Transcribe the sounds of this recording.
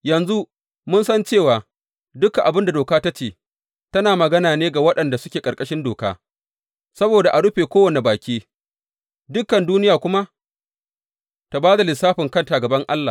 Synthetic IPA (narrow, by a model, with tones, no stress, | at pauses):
jɐ˨nzu˦ | mʊ˦nsɐ˦nt͡ʃeː˦˨waː˨ | dʊ˦kːa˨ʔa˨bɪ˦nda˨doː˨kaː˦ta˦t͡ʃeː˨ | tɐ˦naː˨mɐ˨ɡɐ˦naː˨neː˦ɡa˨wɐ˦ɗɐ˨nda˨sʊ˦kʲeː˨kʼɐ˨ɾkʼɐ˦ʃɪ˦ndoː˨ka̰ː˦ | sɐ˦boː˨da˨ʔa˨ɽʊ˦ɸeː˨kʷoː˦wɐ˨ne˨baː˨kʲiː˦ | dʊ˦kːɐ˨nduː˦nɪ˦jaː˨kʷʊ˦ma˦ | ta˨baː˦da˨lɪ˨saː˦ɸɪ˨ŋkɐ˦ntaː˨ɡɐ˨bɐ˦ŋʔa˦lːaː˨